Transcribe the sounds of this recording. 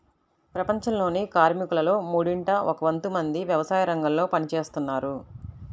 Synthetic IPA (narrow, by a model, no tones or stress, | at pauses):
pɾɐpɐɲt͡ʃɐmlo̞ːnikaːɾmikulɐlo̞ːmuːɽiɳʈɐʔɔkɐʋɐnt̪umɐnd̪iʋjɐʋɐsaːjɐɾɐŋɡɐmlo̞ːpɐnit͡ʃe̞ːst̪unːaːɾu